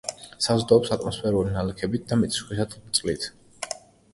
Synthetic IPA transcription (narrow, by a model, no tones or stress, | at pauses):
sazd̪aɔpsat̪ʼmɔspʰɛɾulinalɛkʰɛbit̪̚d̪amit̪ʰi̥sχwisat̪t̪sʼlit̪ʰ